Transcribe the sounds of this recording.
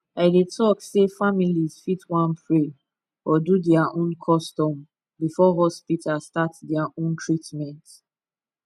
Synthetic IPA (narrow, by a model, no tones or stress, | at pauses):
aɪdetʰɔksefamiliz̥fitwãnpʰɹe | ɔdudɛaʔõnkʰɔstɔm | bifɔɦɔspitʰastatdɛaʔõntʰɹitmɛ̃nt